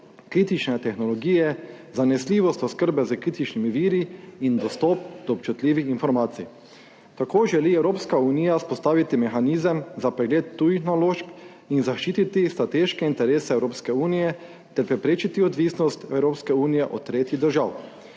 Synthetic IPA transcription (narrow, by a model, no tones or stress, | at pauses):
kɾiːt̪it͡ʃnɛt̪ɛxnɔlɔɡiːjɛ | zanɛsliːʋɔst̪ɔskəɾbɛzəkɾiːt̪it͡ʃnimiʋiːɾiind̪ɔst̪ɔp̚d̪̥ɔːp̚t͡ʃut̪liːʋixinfɔɾmaːt̪sḭ | t̪akoːʒɛliɛwɾoːpskaunijaspɔst̪aːʋit̪imɛxaniːzəmzapɾɛɡleːt̪ːuːjixnaloːʃp | inzaʃt͡ʃiːt̪it̪ist̪ɾat̪eːʃkɛint̪ɛɾeːsɛɛwɾoːpskɛuːnijɛ | t̪ɛɾpɾɛpɾeːt͡ʃit̪iɔd̪ʋisnɔst̪ɛwɾoːpskɛuːnijɛʔɔt̪t̪ːɾeːt̪jiɣd̪əɾʒaw